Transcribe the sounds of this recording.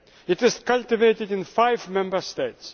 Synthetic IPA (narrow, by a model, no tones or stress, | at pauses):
ɪtɪzkʌlt̪ɪveɪtɪdɪ̃nfaɪvmɛ̃mbə˞st̪eɪts